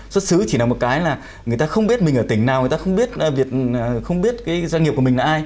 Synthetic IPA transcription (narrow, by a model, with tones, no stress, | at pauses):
swə˦˥t̚sɨ˨˦t͡ɕi˧˩aː˨˩mo˨˩kaː˨˦jlaː˨˩ | ŋɨ˨əjt̪aː˧xə˧wŋ͡mɓi˦˥ət̚mi˨˩ŋ̟ʔəː˧˩t̪ï˧˩ŋ̟naː˨˩wjt̪aː˧xə˧wŋ͡mɓi˦˥ət̚ːvi˨˩ək̚ːxə˧wŋ͡mɓi˦˥ət̚kaː˨˦jza˧ŋ˨˩p̚kï˨˩ŋlaː˨ʔaː˧j